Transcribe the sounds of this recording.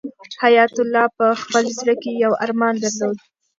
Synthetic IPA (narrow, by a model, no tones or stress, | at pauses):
hajɑt̪ʊlɑpəxpəlzɾəkejawa̰ɾmɑnd̪aɾlod̪